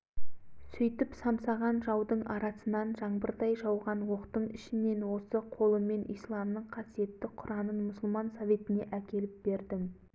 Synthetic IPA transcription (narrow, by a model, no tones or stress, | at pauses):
sʏjt̪ɪpsɑmsɑʁɑnʒɑwd̪əɴɑɾɑsənɑnʒɑɴbəɾd̪ɑjʒɑwʁɑnwo̞qt̪əɴɪʃɪne̞nwo̞səqʰo̞lˠəme̞nijslˠɑmnəɴqʰɑsije̞t̪ːɪqʰʊɾɑnənmʊsʊlˠmɑnsove̞t̪ɪne̞ʔækʲe̞lɪp̚b̥e̞ɾd̪ɪm